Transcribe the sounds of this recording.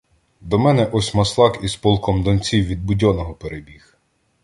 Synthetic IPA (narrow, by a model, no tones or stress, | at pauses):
d̪ɔmɛnɛʔɔsʲmɐslˠɑkispɔlˠkɔmd̪ɔnʲt͡sʲiwʋʲid̪̚bʊdʲɔnɔɦɔpeɾebʲix